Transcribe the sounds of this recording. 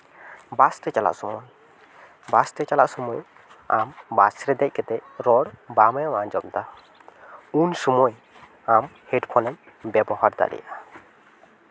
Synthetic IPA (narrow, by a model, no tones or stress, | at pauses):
bastɛt͡ʃala̰ʔsɔmɔj | bastɛt͡ʃalaʔsɔmɔj | ambasɾɛd̪ɛc̚ˀkɛt̪ɛɾɔɾbamɛjwand͡ʒɔmt̪a | unsɔmɔj | amheɖpʰɔnɛn | bɛbɔɦaɾd̪a̰lḭja